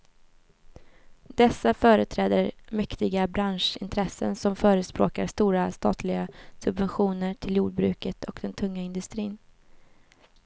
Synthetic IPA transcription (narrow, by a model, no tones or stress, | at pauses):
d̪̥ɛsːafœːɾət̪ʰɾɛːd̪əɾmɛkt̪ɪɡabɾanʂɪnt̪ʰɾɛsːə̰nsɔmfœːɾəspɾo̰ːkaɾst̪uːɾast̪ɑ̰ːt̪ʰlɪɡasɵbvɛnɧuːnəʈʰɪljuːɖ̚bɾʉ̟ːkət̪ʰɔkd̪ɛnt̪ʰɵŋːaɪnd̪ɵst̪ɾiːn